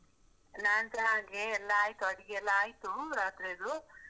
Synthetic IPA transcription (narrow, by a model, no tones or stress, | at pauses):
naːnt̪ɐaŋɡeːlːaːjt̪uɐɽiɡeɛlːaːjit̪uɾaːt̪ɾeːd̪u